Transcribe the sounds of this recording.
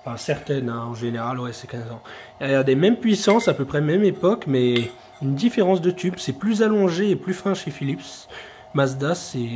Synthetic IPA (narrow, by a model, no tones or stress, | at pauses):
fɛ̃sɛʁt̪ɛnɛ̃ɑ̃ʒeneʁalwɛsɛkʲɛ̃zɑ̃aɛd̪emɛmpɥisɑ̃sapøpχɛmɛmepɔkmɛ | ynd̪ifeʁɑ̃s̬d̪ət̪ybsɛplyzalɔ̃ʒeːplyfɛ̃ʃefilips | mazd̪asɛ